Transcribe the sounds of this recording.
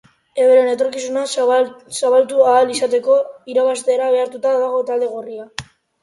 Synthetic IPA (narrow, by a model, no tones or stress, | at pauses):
e̞βeɾe̞ne̞t̪o̞ɾkisunasaβalt̪uaːlisat̪e̞ko̞iɾaβast̪e̞ːɾaβ̞e̞aɾt̪ut̪aðaɣo̞t̪ald̪e̞ɣ̞oria